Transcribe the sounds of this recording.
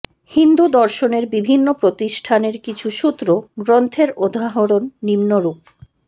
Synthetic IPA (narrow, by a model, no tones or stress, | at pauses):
hind̪ud̪ɔɾʃoneɾbibʱinːopɾot̪iʃʈʰaneɾkit͡ɕʰuʃut̪ːɾoɡɾont̪ʰeɾod̪ʱaɦoɾonːimnoɾup